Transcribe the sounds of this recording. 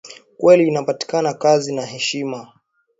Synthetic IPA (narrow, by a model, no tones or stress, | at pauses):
kwɛliːnapati̥kanakazinaɦɛʃima